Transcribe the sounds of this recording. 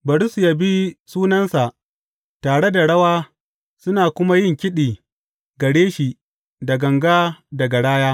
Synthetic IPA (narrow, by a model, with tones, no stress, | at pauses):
bɐ˨ɽsu˨ja˦bi˦suː˦nɐ˦nsa˨ʔ | taː˨ɽe˦da˨ɽɐ˦waː˦ | sʊ˦naː˨kʷʊ˦ma˦jɪ˦˨ŋkʲɪ˦ɗiː˨ | ɡɐ˨ɽeː˦ʃi˨ | dɐ˨ɡɐ˨ŋɡaː˦dɐ˨ɡa˨ɽaː˦jaː˦